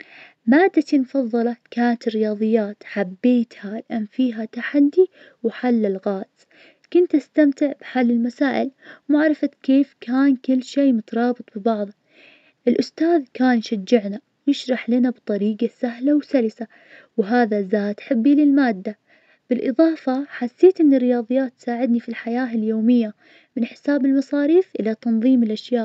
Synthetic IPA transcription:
maːd̪ːat̪imfɑðˤːɑlɑkaːnat̪ɪrːɪjɑːðˤɨjːaːt̪ħabːeːt̪halʔamfiːɦat̪aħad̪ːi | wħalːɪlɣaːd̪z | kʊnt̪ʔast̪amt̪ɪʕbħalːɪlmasaːʔɪlmaʕɾˤɑfat̪keːfkaːnkɪlːʃeːmʊt̪ɾˤɑːbɨt̪ˤbɪbɑʕðˤɑ | ʔɪlʔʊst̪aːðkaːnjʃad͡ʒːɪʕna | jɪʃɾˤɑħlɪnabt̪ˤɑɾiːɡasaɦlawsalɪsa | wɦaːðazaːt̪ħɪbːilɪlmaːd̪ːa | b̥ɪlʔɨðˤɑːfɑħasːeːt̪ʔɪnːɪrːɪjɑːðˤɨjːaːt̪ːsaːʕɪd̪nifilħajaːɪljoːmɪjːa | mɪnħɪ̥saːbɪlmɑsˤɑːɾiːfʔɪlat̪ɑnðˤiːmɪlʔaʃjaːʔʔ

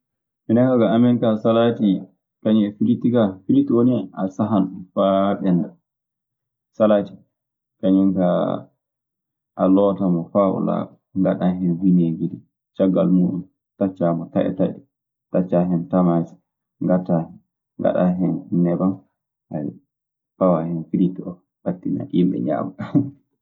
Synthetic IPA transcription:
minakaɡaːmɛŋkasalati | kaɲiɛfiɾitiɡafiɾitioniʔasaɦanfaɓɛnda | salati̥ | kaɲiŋka | ʔalɔːtamɔfaʔɔ̰la̰ɓɔ | ŋɡaɗaɦɛnwineɡidi | t͡ʃaɡːalmuːɗum | tat͡ʃːamɔtaʔɛ̰taɗi | tat͡ʃːaɦɛntamas | ŋɡata | ŋɡa̰ɗaɦɛnnɛbam | ha | pawahɛnfiɾitiɔ | ɓatːina̰ʔimɓɛ̰ɲa̰ːma

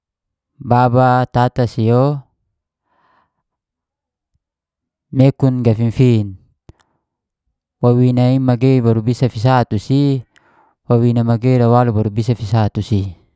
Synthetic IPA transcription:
babat̪at̪asijo | mekunɡafinfin | wawinaimaɡeibaɾubisafis̬at̪usi | wawinamaɡeiɾawalubaɾubisafisat̪usi

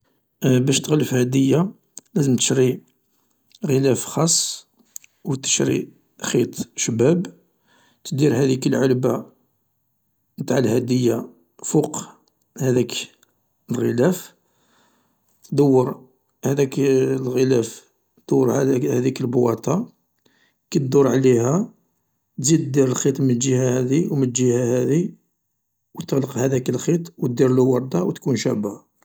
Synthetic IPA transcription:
bæʃt̪əɣləfhæd̪əjːa | læzəmt̪ə̥ʃɾi | ɣəlæfxɑsˤː | wt̪ə̥ʃɾḭ | xit̪ˤʃəbæb | t̪d̪iɾhæd̪ikəlʕəlba | mt̪aʕəlhæd̪əjːa | fuq | hæd̪æk | əlɣəlæf | t̪d̪əwːəɾ | hæd̪æklɣəlæf | d̪̥əwːəɾæhæd̪ikəlbwɑt̪ˤɑ | kæt̪d̪uɾʕlihæ | t̪zid̪d̪iɾəlxit̪ˤmənlʒihæhæd̪iwmənʒihæhæd̪i | wt̪ələqhæd̪ækəlxit̪ˤwt̪̚d̪iɾlwɑɾˤd̪ɑwt̪kunʃæba

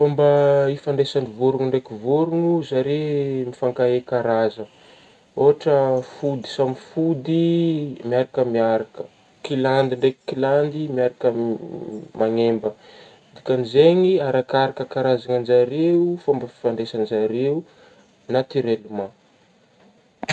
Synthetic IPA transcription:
fambəifaɳɖ͡ʐesanivuɾuŋuɳɖ͡ʐekivuɾuŋuzaɾemifaŋkaekaɾazə | oɦaʈ͡ʂəfud̪i̥samifud̪imiaɾakəmiaɾakə̥ | kiland̪iɳɖ͡ʐeki̥kiland̪imiaɾakə | maŋembə | d̪ikanizeŋiaɾakaɾakəkaɾazaŋand͡ʒaɾeufambəfi̥faɳɖ͡ʐesanizaɾeu | nat̪iɾeluma

